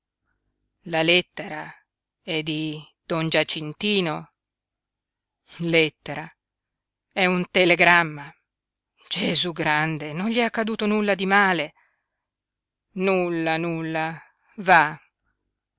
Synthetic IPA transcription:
lalɛt̪ːeɾa | ɛd̪id̪̥ɔnd͡ʒat͡ʃːint̪iːno | lɛt̪ːeɾa | ɛunt̪eleɡɾamːa | d͡ʒezuɡɾand̪enonʎiakːad̪uːt̪onulːad̪imaːle | nulːanulːa | va

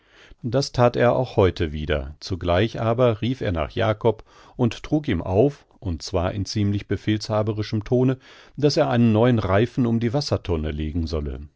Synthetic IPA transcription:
d̥astʰaːteːɐʔa̰ʊxhɔʏtʰəviːdɐ̰t͡suɡlaɪçʔaːbɐʁiːfeːɐna̰ːχja̰ːkʰɔp | ʔʊnttʁ̥uːk̬iːmʔa̰ʊf | ʔʊnt̚t͡sv̥aːɐʔɪnt͡siːmlɪçb̥əfeːlshaːbəʁɪʃəmtʰoːnə | d̥aseːɐʔaɪnənːɔʏənʁaɪfn̩ʊmdiːvasɐtʰɔnəleːɡŋ̩zɔlə̰

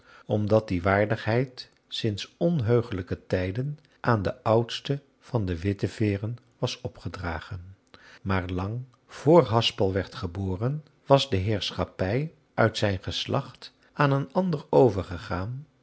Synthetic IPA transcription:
ɔmdɑt̚diʋaːɹdəχɦɛjt | sɪnsɔnɦøɥχələkətɛjdən | ʔaːndəʔʌwtstə | v̥ɑndəʋɪtəv̥ɪːrən | ʋɑsɔpχədraːχən | maːɹlɑŋ | v̥ʊːɹɦɑspəlˠʋɛɹtχəboːrən | ʋɑzdəɦɪːɹsχapɛj | œɥtsɛjnχəslʔɑ̰χt | aːnənɑndərowvəɹχəχaːn

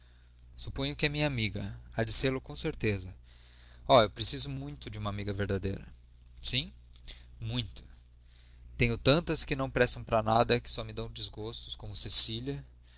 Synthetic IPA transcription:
supõj̃ʊkɪɛmĩɲɐamiɡɐad͡ʒizeɾlʊkõseɾt̪ezɐ | ɔewpɾesizʊmũj̃t̪ʊd͡ʒɪũmɐamiɡɐveɾd̪ad̪ḛjɾɐ̰ | sĩ | mũj̃t̪ʊ̥ | t̪ẽɲʊt̪ɐ̃nt̪ɐskɪnɐ̃w̃pɾɛsɐ̃w̃pɾɐnad̪ɐkɪ̥sɔmɪd̪ɐ̃w̃d͡ʒɪzɡost̪ʊskõmʊsesiʎɐ

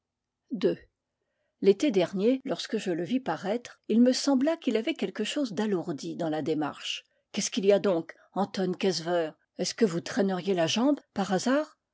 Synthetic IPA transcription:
d̪ø | let̪ed̪ɛʁnjelɔʁskəʒələvipaʁɛt̪χilməsɑ̃blakilavɛkʲɛlkəʃozd̪aluʁd̪id̪ɑ̃lad̪ema̰ʁʃ | kʲɛskilijad̪ɔ̃k | ɑ̃t̪ɔnkɛzvœːʁ | ɛskəvut̪χɛnəʁjelaʒɑ̃bpaʁazaːʁ

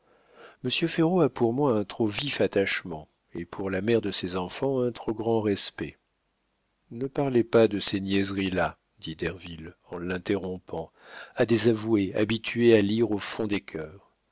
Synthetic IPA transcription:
məsjøfeʁoapuʁmwaɛ̃t̪χovifat̪aʃmɑ̃ | epʰuʁlamɛʁd̪əsezɑ̃fɑ̃ɛ̃t̪χoɡʁɑ̃ʁɛspɛ | nəpaʁlepad̪əsenjɛzʁila | d̪id̪ɛʁvilɑ̃lɛ̃t̪eʁɔ̃pɑ̃ | ad̪ezavuea̰bit̪ʰɥealiʁofɔ̃d̪ekʲʰœːʁ

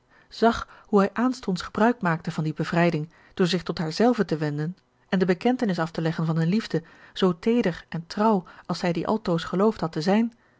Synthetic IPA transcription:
z̥ɑχhuɦɛjʔaːnstɔntsχəbrœɥk̚maːk̚təvɑndibəvrɛjdɪŋ | d̥ʊːɹzɪχtɔtɦaːɹzɛlˠvətəʋɛndən | ɛndəbəkɛntənɪs̬ɑftəlɛχənvɑnzɛnlivdə | z̥owtejdəχɛntrɑwɑlˠsɛjdiʔɑ̰lˠtowsχəlowftɦɑtəzɛjn

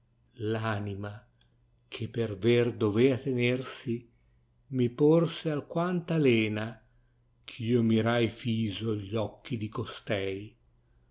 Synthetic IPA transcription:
lanima | kʰepːerverd̪oveat̪enersi | miporsealkwant̪alɛːna | kʰiːomiɾajfiːzoʎːɔkʰːid̪ikost̪ɛj

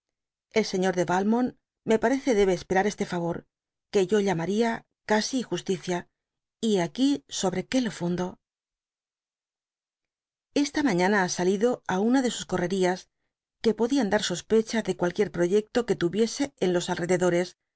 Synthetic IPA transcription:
e̞lse̞ɲo̞ɾðe̞βalmo̞n | me̞paɾe̞θe̞ðe̞β̞e̞ːspe̞ɾaɾe̞st̪e̞faβo̞ɾ | ke̞ʝo̞ʎamaɾia | kasiːxust̪iθja | iakiso̞βɾe̞ke̞lo̞fund̪o̞ | e̞st̪amãɲãnaasaliðo̞aunaðe̞susko̞re̞ɾias | ke̞po̞ðiand̪aɾso̞spe̞t͡ʃaðe̞kwalkje̞ɾpɾo̞ʝe̞k̚t̪o̞ke̞t̪uβje̞se̞enlo̞salre̞ðe̞ðo̞ɾe̞s

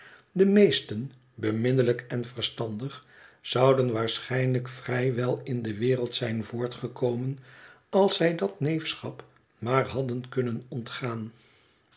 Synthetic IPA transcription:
dəmejstən | bəmɪnələkɛnv̥əɹstɑndəχ | z̥ɑwdənʋaːɹsχɛjnləkfrɛjʋɛlˠɪndəʋɪːrəlˠtsɛjnvʊːɹtχəkowmən | ɑlˠsɛjdɑtnejfsχɑp | maːrɦɑdənkɵnənɔntχaːn

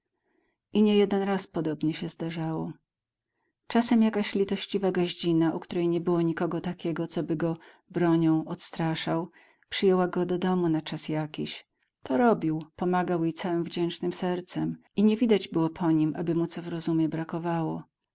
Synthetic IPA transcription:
ʔiɲɛjɛd̪ɛnɾaspɔd̪ɔbɲɛɕɛzd̪aʐawɔ | t͡ʂasɛmjakaɕlʲit̪ɔɕt͡ɕivaɡɔʑd͡ʑinaʔukt̪uɾɛjɲɛbɘwɔɲikɔɡɔt̪akʲɛɡɔt̪sɔbɘɡɔ | bɾɔɲɔ̃w̃ɔt̪st̪ɾaʂaw | pʂɘjɛwaɡɔd̪ɔd̪ɔmunat͡ʂasjakʲiɕ | t̪ʰɔɾɔbʲiwpɔmaɡawjejt̪sawɘmvd͡ʑɛnt͡ʂnɘmsɛɾt̪sɛmiɲɛvʲid̪ad͡ʑbɘwɔpʰɔɲimʔa̰bɘmut̪sɔvɾɔzumʲjɛbɾakɔvawɔ̰

